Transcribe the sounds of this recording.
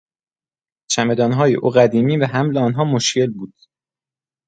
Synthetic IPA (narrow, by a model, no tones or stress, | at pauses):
t͡ʃʰæme̞d̪ɒːnɦɒːjḛʔuːɢæd̪iːmiːvæɦæmleɒːnɦɒːmoʃcʰe̞lbuːd̪̥